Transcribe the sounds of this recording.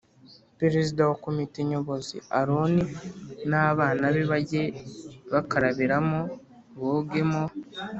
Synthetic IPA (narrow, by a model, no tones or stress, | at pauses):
peɾezidawakomite̞ɲo̞βo̞zḭaɾoninaβaːnaβiβaɟe̞βakaɾaβiɾamo | βoɡe̞mo